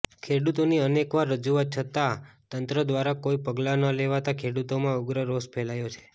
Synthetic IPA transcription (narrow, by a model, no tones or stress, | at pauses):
kʰeɽut̪oniənekʋaɾːəd͡ʒuʋat̪̚t͡ʃʰət̪at̪ənt̪ɾəd̪ʋaɾakoipəɡlanəleʋat̪akʰeɽut̪omãʊɡɾəɾospʰelajot͡ʃʰe̥